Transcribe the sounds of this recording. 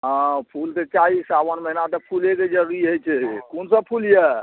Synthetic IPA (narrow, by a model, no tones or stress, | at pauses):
ɦə̃pʰulket͡ʃalisabənməɦinat̪ɔpʰuleked͡ʒəɾɾiɦojt͡ʃʰɛkonsəb̚pʰuljɛ